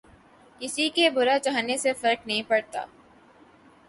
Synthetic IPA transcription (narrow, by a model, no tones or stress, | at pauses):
kɪsikebʊɾat͡ʃaɦnesefɐɾknɐɦĩpɐɽt̪a̰ː